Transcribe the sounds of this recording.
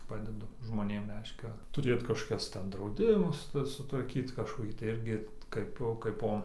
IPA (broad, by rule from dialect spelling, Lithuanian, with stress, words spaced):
ˈpɑːdʲɛdʊ ʒmoːˈnʲeːm ˈrʲɛɪʃʲkʲɛ tʊˈrʲeːt kɐʃkoːˈkʲɛs ˈtʲɛn drɐʊˈdʲɪmʊs ˈtɐs sʊtʋɐrʲˈkʲiːt kɐʃkoːˈkʲiː tɐɪ ˈɪrʲɡʲɪ ˈkɐɪpoː kɐɪˈpoː